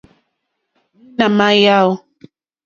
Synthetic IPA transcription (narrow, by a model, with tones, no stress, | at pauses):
ni˦na˨ma˦ja˦o˦